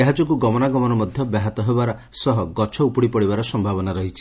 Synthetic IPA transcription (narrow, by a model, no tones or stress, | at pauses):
eɦad͡ʒɔkuɡɔmɔnaɡɔmɔnɔmɔd̪ʱjɔbjaɦat̪ɔɦebaɾɔsɔɦɔɡɔt͡ʃʰɔupɔɽipɔɽibaɾɔsɔmbʱabɔnaɾɔɦit͡ʃʰi